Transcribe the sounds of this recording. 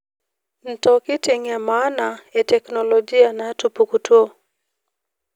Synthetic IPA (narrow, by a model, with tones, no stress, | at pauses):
n̩˨tɔkɪ˦tɪ˨ŋɛ˨ma˦na˨ɛ˨tɛ˨knɔlɔd͡ʒi˦a˦na˨tu˨pukutwo˦